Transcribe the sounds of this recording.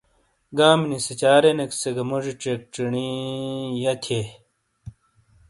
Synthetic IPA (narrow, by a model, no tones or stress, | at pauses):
ɡaːmniset͡ɕaːɾenekseɡɐmuʐiʈ͡ʂek̚ʈ͡ʂiɳi | jɐt̪ʰe